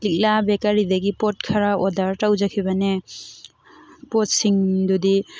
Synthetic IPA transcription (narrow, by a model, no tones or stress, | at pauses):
lik̚labɛkaɾid̪aɡipɔt̚kʰaɾaʔɔdaɹtawzakʰibane | pɔtsiŋdudi